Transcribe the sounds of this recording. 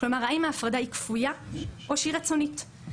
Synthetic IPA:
lo̞maʁaimaːfʁadaikfujaʔoʃiʁet͡so̞nit

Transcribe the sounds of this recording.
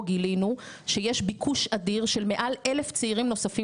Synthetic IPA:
ɡilinu | ʃejeʃbikʰuʃadiʁʃe̞lme̞ʔale̞left͡seiʁimno̞safi

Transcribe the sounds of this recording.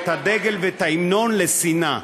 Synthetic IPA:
t̪ad̪eɡelvet̪aimnonlesina

